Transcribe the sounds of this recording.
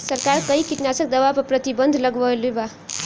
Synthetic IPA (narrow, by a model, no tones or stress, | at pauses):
sʌrkarkʌjkiʈ̪nasʌk̚d̪ʌwapaprʌt̪ibʌnd̪ʱlʌɡʋʌluba